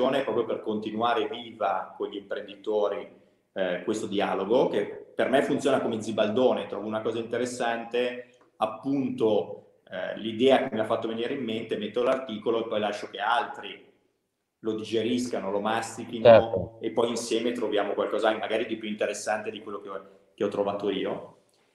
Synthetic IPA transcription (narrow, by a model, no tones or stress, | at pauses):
oːnepɾɔːpɾjoperkont̪inuaːɾeviːvakoɲʎːimpɾend̪it̪oːɾi | kwest̪od̪ialoɡokepːermefunt̪sjoːnakomed̪zibald̪oːnet̪ɾɔːvounakɔːzaint̪eɾesːant̪e | apːunt̪o̰ | lid̪ɛːakemːiafːat̪ːoveniːɾeimːent̪emet̪ːolart̪iːkoloepːɔjlaʃːok̟ealt̪ɾi | lod̪id͡ʒeɾiskanolomast̪ik̟inoepːɔjinsjɛːmet̪ɾovjaːmokwalkɔːzaaŋkemaɡaːɾid̪ipjuint̪eɾesːant̪ed̪ikwelːoke | keɔt̪ːɾovaːt̪oiːo